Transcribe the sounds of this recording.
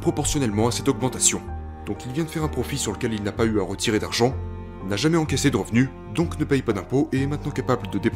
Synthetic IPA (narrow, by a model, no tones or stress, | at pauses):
pχɔpɔʁsjɔnɛlmɑ̃asɛt̪ɔɡmɑ̃t̪asjɔ̃ | d̪̥ɔ̃kilvjɛ̃d̪əfɛʁɛ̃pχɔfisyʁləkʲɛlilnapayaʁət̪ʰiʁed̪aʁʒɑ̃ | inaʒamɛɑ̃kʲɛsed̪əʁəvny | d̪ɔ̃knəpɛjpad̪ɛ̃poʔemɛ̃t̪nɑ̃kapabləd̪əd̪ep